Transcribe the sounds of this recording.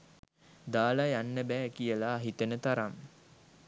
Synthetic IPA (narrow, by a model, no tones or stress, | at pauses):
d̪aːlajanːəbɛːkijəlaːɦit̪ənət̪aɾam